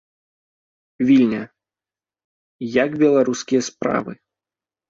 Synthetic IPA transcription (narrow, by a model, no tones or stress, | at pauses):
vʲilʲnʲɐ | jaɡbʲɛlˠaɾuskʲijɐspɾa̰vɨ̰